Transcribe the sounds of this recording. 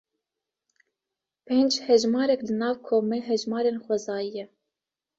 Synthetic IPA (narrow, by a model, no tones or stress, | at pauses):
pʰeːnd͡ʒhɛʒmɑːɾɛklɨnɑːvkʰoːmeɦɛʒmɑːɾeːnxʷɛzɑːjijɛ